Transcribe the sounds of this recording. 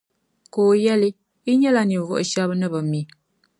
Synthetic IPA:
koː˨jɛ˦li˦ | i˦ɲɛ˦la˦ni˨ɣɔ̰˦˨ʔʃa˦bə˦nə˦bə˨mi˨

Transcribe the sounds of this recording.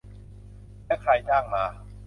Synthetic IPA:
lɛː˥˩kʰɾa˧jt͡ɕaː˥˩ŋmaː˧

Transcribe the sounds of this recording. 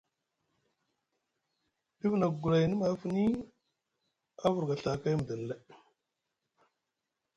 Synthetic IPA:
ɗi˦vna˨ɡɡu˨la˨jni˦ma˨˦fu˦ni˦ | a˦vu˨ɾɡa˨ɬa˨ka˦jm˨də˨n˨le˦

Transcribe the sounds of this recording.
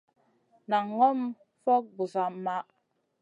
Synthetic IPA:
na˨ŋːɔ˦m | fɔ˦k̚bu˨za˨˦ma˦ʔ

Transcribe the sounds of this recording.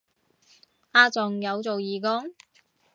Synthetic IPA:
aː˧t͡sʊ˨˩ŋjɐ˨˧wt͡so˨wjiː˨kɔ˥ŋ

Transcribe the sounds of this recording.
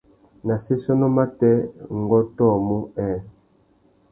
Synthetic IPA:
na˨si˦sɔ˦nɔ˦ma˦tɛ˦ŋ˨ɡɔ˦tɔ˦˨mu˦ɛ˦˨

